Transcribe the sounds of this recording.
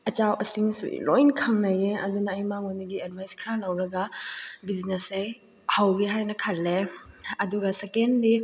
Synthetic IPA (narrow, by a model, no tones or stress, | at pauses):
ɐt͡ʃawʔɐsiŋsṵḭlojnkʰɐŋnɐjeɐ̰dunɐːjmaŋoniɡied̚bʱajskʰɾanɐwɾɐɡɐbiznesej | hawɡiɦajnɐkʰɐlːeɐduɡɐsekenli